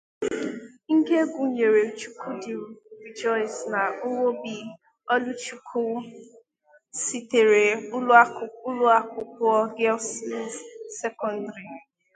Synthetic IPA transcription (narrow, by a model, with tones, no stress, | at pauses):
ŋ̩˦ɡe˦ɡʷu˨ɲe˨ɾe˨t͡ʃu˦kʰu˦di˨ɾi˨d͡ʒɔ˦ɪ˨sna˨ʊ˦wo˦bi˦ | ɔ˦lu˦t͡ʃu˦kʰu˦ | si˦te˨ɾe˨ʊ˦la˦ʊ˦ʊ˦lʊ˦a˦kʊ˦kʊ˦ɔ˦ɡɛ˦lsli˦sɛ˦kɔ˦ndɾi˨